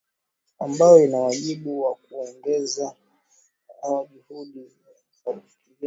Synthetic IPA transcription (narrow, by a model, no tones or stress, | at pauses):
ambajɔinawaʄiɓuwak̚uɔŋɡɛza | auʄuhuɗiza | faɓiki